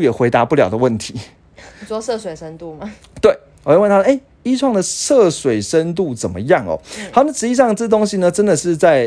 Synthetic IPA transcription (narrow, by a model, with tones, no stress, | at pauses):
jɛ˨˩xwe˧˥ɪt̪a˧˦pu˥˩ljɑ˨˩ʊd̪ə˩˦wə˥˩nt̪ʰi˨˦˨ | t͡swɔ˥˧sɤ˥˧swe˨˩ɪʂə˦˥nt̪u˥˩ma˩ | t̪we˥˩ɪ | wjwə˥˨nt̪ʰa˥˨ʔe˥˩ɪ | i˥ʈ͡ʂʰwɑ˥˩ŋd̪ə˨ʂɤ˥˨swe˨˩ɪʂə˦nt̪̬u˥˩t͡sə˨˩nmə̰˦jɑ˥˨ŋɔ̰˨˩hɑ˧˥ʊna˥˩ʈ͡ʂɻ̩˧˩i˥˧s̬ɑ˥˧ŋʈ͡ʂə˥˩˧t̪o˥ŋɕi˨nə˧ʈ͡ʂə˦nd̪ə˨ʂɻ̩˥˧t͡sa˥˩ɪ